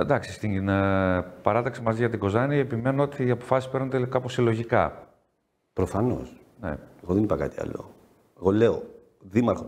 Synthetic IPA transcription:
nd̪ɐksist̪in | pɐɾɐt̪ɐksimɐziʝɐt̪iɡo̞zɐniepime̞nuo̞t̪iɐpo̞fɐsispe̞ɾnunt̪ekɐposilo̞ʝikɐ̰ | pɾofɐno̞̰s | nḛeɣoðenipɐkɐt̪iɐ̰lo̞̰ | eɣo̞leo | ðimɐɾxo

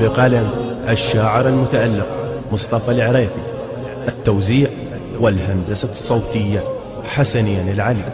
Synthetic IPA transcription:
bɪqalamʔaʃːaːʕɪɾalmʊt̪aʔalːɪq̚mʊsˤt̪ˤɑfɑlʕɾɑːqi | ʔat̪ːawziːʕ | wɪlɦand̪asasˤːɑwt̪ɪjːa | ħasanɪjːanɪlʕali

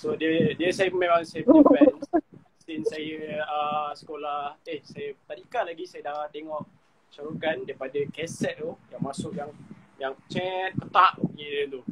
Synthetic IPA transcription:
sodiədiəsajəpəmemaŋsajəbəbɛn | sinsajəəsə̥kolaht̪ehsajəpət̪aɾikalaɡisajədat̪eŋɔʔ | ʃaɾukandaipadakɛsɛt̪̚t̪ujaŋmasʊʔjaŋjaŋt͡ʃɛt̪̚kət̪aʔɲidət̪u

